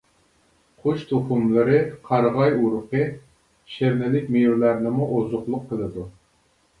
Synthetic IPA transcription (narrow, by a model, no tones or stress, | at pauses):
χoʃt̪ʰuχumlˠɨɾɨqʰɑɾʁɑjuɾʊqɨ | ʃeɾnɪlɪk̚ʲmejuɾlæɾnɨmuʔozʊχlˠʊqʰːəlˠɨd̪u